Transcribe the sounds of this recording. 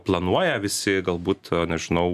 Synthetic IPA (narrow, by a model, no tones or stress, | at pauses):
plˠɐnuɔjɛʋʲɪsʲɪɡɐlˠbuːt̪nʲɛʒʲɪnɐʊ